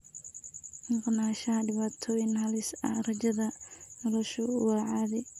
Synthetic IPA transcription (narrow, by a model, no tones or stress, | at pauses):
mɑqnaːʃɐɦɐɖɪβaːt̪ʰɔːjɪnhɐlɪsɐ̰hrɐt͡ʃɐðɐnɔlɔʃɔwɑːʕɑːðɛ